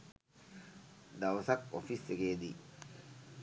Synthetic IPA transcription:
d̪ɐwsɐkɔ̰fisːɪɡeːd̪i

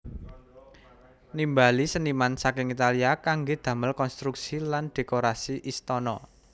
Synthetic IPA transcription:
nimbalisənimansakɪŋit̪aliakaŋɡed̪̥ä̤məlkɔnst̪ɾuk̚silanɖ̥e̤koɾasiʔist̪ɔnɔ

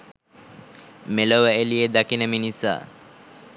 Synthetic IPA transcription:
meloʋəelijed̪akinəminisa̰ː

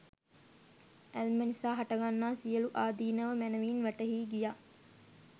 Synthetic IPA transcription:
ælmənisaːɦaʈəɡanːaːsijəluʔaːd̪iːnəʋəmænəʋiːnʋæʈəɦiːɡija

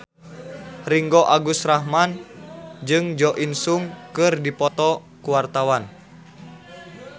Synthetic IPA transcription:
riŋɡɔʔaɡusrahman | d͡ʒɨŋd͡ʒɔʔinsuŋkɨrdipɔt̪ɔ | kuwart̪awan

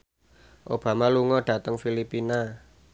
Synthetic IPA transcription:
ʔob̥ä̤maluŋɔɖ̥ä̤t̪əŋfilipina

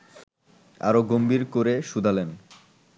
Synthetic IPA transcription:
a̰ɾoɡombiɾkoɾeʃud̪ʱalen

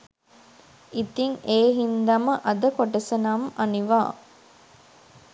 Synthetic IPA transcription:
ʔit̪iŋʔeːɦind̪ɐməʔɐd̪əkoʈɐsɐnamɐniʋaː

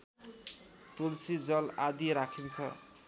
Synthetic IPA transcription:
t̪ulsid͡zʌlad̪iɾakʰint͡sʰʌ̰

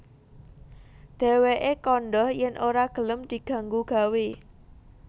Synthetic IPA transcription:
d̪̥ɛ̤weʔekɔnɖɔhjɛnʔoɾaɡ̥ə̤ləmd̪̥i̤ɡ̥ä̤ŋɡuɡ̥a̤we

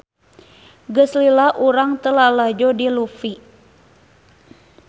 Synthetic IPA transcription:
ɡəslilaʔuɾaŋt̪əlalad͡ʒɔdilufi

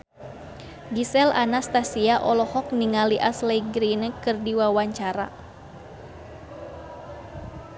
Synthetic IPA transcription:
ɡisɛlʔa̰nast̪asiaʔɔlɔhɔk̚niŋaliʔasleiɡɾinekɨrdiwawaɲt͡ʃaɾa̰

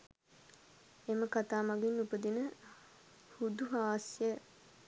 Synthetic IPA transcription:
eməkat̪aːmaɡinːupəd̪inə | hud̪uɦaːsjə

